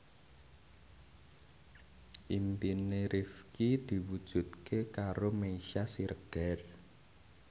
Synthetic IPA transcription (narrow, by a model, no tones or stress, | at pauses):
ʔimpineɾʔifkid̪̥i̤wud̥ʒ̥ṳt̪̚kʰekaɾomeiʃasiɾəɡ̥ɛr